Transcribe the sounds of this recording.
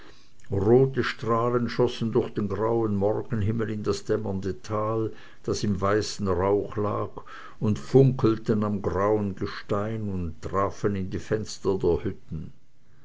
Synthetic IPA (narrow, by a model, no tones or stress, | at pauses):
ʁoːtəʃtʁ̥aːlənʃɔsn̩dʊɐxd̥eːnɡʁaʊənmɔʁɡ̥ən̩ɦɪml̩ɪndasd̥ɛmɐndətʰaːl | d̥asɪmvaɪsn̩ʁaʊxla̰ːk | ʊntfʊŋkl̩tənamɡʁaʊənɡəʃtaɪnʊnttʁ̥aːfənɪndiːfɛnstɐdeːɐhʏtn̩